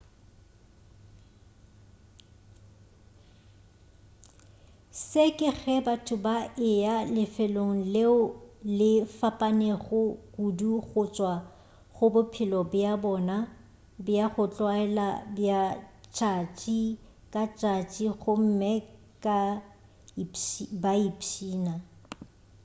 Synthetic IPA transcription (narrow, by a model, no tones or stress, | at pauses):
sekʼɪɣɛbatʰʊbaʔɪalɪfɪloŋ̩leʊlɪfapʼaneɣʊkuduɣʊt͡ʃʼwa | ɣʊbʊpʰɪlɔbjabɔːna | bjaχʊt͡ɬʼwaɛlabjat͡ʃʼat͡ʃʼi | kʼat͡ʃʼat͡ʃʼiɣʊm̩mɛ | kʼa | baipʰiːna